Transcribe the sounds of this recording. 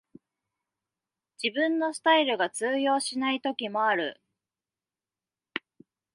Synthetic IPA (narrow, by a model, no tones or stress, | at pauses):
d͡ʑ̥ibɯ̟̃nːo̞sɨ̥t̪aiɾɯ̟ɡat͡sɨːjo̞ːɕinait̪o̞kʲimo̞aɾɯ̟̰